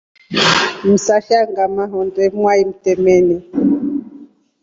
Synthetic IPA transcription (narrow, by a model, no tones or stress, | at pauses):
m̩saʃaŋɡamaɦɔndɛmwaim̩tɛmɛnɛ